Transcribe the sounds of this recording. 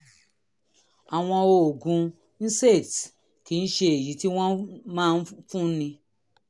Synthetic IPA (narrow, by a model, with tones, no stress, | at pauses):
a˨w̃ɔ̃˧o˧o˨ɡũ˧ | n̩˦se˦˨t | ki˨˦˧n̩˦ʃe˧e˨ji˨˦ti˦w̃ɔ̃˦mãː˦˧n̩˦fũ˦nĩ˧